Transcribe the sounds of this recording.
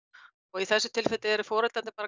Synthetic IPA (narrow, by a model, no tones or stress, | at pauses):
ɔɣiθɛsːʏ̥t̪ʰɪlfɪt̪ɪɛɾʏfɔːɾɛlant̪ɪ̥paːɾa